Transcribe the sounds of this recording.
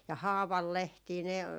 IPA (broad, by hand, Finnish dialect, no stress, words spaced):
jɑ hɑːʋɑlːehtiː ne